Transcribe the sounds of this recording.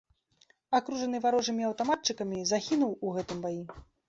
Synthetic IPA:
akɾuʐɐnɨvaɾɔʐɐmʲiɐwt̪amat̪̚t͡ʂɨkɐmʲizaxʲinuwuɣɛt̪ɨmbaji

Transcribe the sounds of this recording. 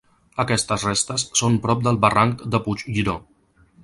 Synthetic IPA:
əkɛst̪əsrest̪əsːompɾɔp̚d̪əlˠβəraŋkd̪əput͡ʃʒiɾo

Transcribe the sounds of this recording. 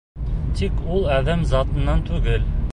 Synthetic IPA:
t̪ʰikulˠæðæmzɑt̪ɤ̆nːɑnt̪ʰʉɡɘl

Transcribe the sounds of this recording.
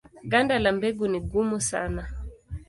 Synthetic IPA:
ɡandalambɛɡuniɡumusa̰na

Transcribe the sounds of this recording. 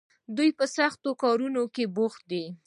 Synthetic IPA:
d̪ujpəsaxt̪okɑɾunokeboxt̪̚d̪i

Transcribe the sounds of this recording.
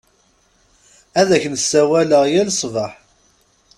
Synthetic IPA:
æðæçənsːæwæləʁjælsˤvəħ

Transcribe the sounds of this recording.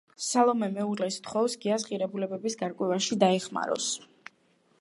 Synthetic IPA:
salˠɔmɛmɛuɾlɛst̪χɔvsɡiasqʼiɾɛbulɛbɛbisɡaɾkʼwɛvaʃid̪aɛχma̰ɾɔ̰s

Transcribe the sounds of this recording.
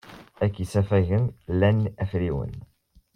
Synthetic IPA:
ækːisæfæʝəmlænæfɾiwə̰n

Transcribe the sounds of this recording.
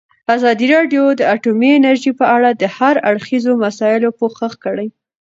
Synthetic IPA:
azɑd̪iɾɑɖjod̪əaʈomiɪnaɾʒipəaɽad̪əhaɾaɽxizomasɑjɪlopoxəxkəɽəj

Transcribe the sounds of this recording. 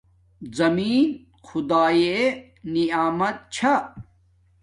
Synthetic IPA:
zɐmiːn | xud̪aːje | niaːmɐt̪̚t͡ɕʰɐ

